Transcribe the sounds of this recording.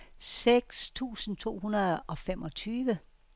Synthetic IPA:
seɡ̥st͡sʰṵːsn̩t͡sʰo̝̰ːɦunɐðˠɒ̽femʔɒ̽t͡sʰyːʋə

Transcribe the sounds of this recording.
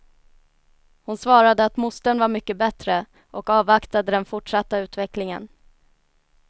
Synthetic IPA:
hʊnsvɑːɾad̪əat̪mʊst̪ənvaɾmʏkːəbɛt̪ɾə | ʔɔkɑːvakt̪ad̪əd̪ɛnfʊʈʂat̪ːaʉ̟ːt̪vɛklɪŋə̰n

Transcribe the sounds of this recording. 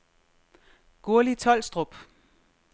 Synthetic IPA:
ɡ̥o̝ɐlit͡sʰɒ̽l̰sd̥ʁɔb̥

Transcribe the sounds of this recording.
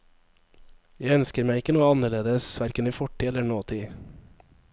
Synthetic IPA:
jæɪœnskəɾmæɪɪkənuːəɑnəɭeːd̪əsʋæɾkəniːfɔʈiːɛləɳoːt̪ʰiː

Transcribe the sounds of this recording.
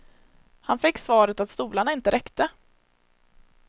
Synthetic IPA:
hanfɪkːsvɑːɾət̪at̪st̪uːlaɳaɪnt̪əɾʔɛkt̪ə

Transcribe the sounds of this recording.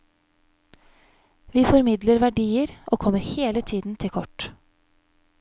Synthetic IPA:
ʋiːfɔɾmɪd̪ləɾʋæɖiːəɾʔoːkʰɔməɾheːlət̪ʰiːd̪n̩t̪ʰɪlkʰɔʈ

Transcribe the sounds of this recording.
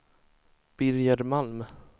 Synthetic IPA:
b̥ɪɾjəɾmalm

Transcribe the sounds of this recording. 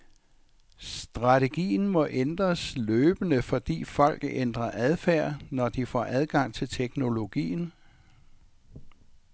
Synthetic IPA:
sd̥ʁɑ̈t͡sʰeɡ̥ḭːn̩mɒ̽ʔend̥ʁɐsløːb̥ənəfɒ̽d̥ḭːfɒ̽l̰ɡ̥end̥ʁɐʔæð̞ˠfæɐ̰nɒd̥ifɒ̰ːʔæðˠɡ̥ɑ̈ŋ̰t͡sʰe̝lt͡sʰeɡ̥no̝lo̝ɡ̥ḭːn

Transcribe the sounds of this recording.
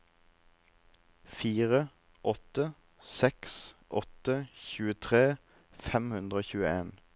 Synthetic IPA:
fiːʁə | ʔɔt̪ə | sɛksʔɔt̪əçʉːət̪ʰʁeː | fɛmhʉnd̪ʁəoːçʉːəeːn

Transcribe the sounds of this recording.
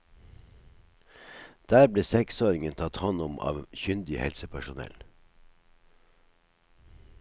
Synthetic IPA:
d̪̥æːɾbleːsɛksoːɾɪŋənt̪ʰɑt̪hɔnʊmɑ̰ːʋçʏnd̪ɪhɛ̰lsəpʰæʃʊnɛ̰l

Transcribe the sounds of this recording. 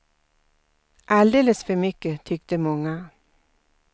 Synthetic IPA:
ʔɑld̪eːləsfœɾmʏkːət̪ʰʏkt̪əmɔŋːa

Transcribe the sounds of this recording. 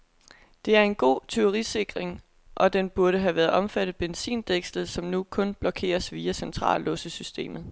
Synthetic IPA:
d̥e̝æɐe̝nɡ̥o̝̰ːt͡sʰøʊʁise̝ɡ̥ʁeŋ | ʔɒ̽d̥enb̥uɐɾəɦæʋæːɐð̩ˠʔɒ̽mfæɾ̥ð̩ˠb̥ensḭːnd̥eɡ̥slð̩ˠsɒ̽mnukʰɔ̽nb̥lɒ̽kʰe̝̰ːɐsʋiːæsent͡sʰʁɑ̰̈ːlːɔ̽səsysd̥e̝̰ːmð̞̩ˠ

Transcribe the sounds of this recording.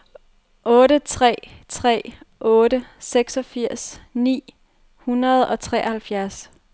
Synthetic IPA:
ʔɔ̽ːɾət͡sʰʁɛ̰ːt͡sʰʁɛ̰ːʔɔ̽ːɾəseɡ̥sɒ̽fiɐ̰snḭː | hunɐð̞̩ˠɒ̽t͡sʰʁɛ̰ːhælfjæɐs

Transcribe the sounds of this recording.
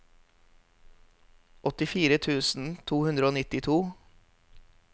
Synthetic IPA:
ʔɔt̪ɪfiːɾət̪ʰʉːsn̩t̪ʰuːhʉnd̪ɾəoːnɪt̪ɪt̪ʰuː

